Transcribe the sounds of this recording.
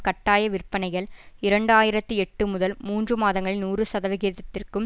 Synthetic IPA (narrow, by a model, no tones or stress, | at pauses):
kɐʈːaːjɐʋɪrpːɐnɐɪɣɐɭɪɾɐɳɖɯaːjɪɾɐt̪ːɯɛʈːɯmʊðɐlmuːndrɯmaːðɐŋɡɐɭɪnuːrɯsɐðɐʋɪɣiːɾðɐt̪ːɪrkɯm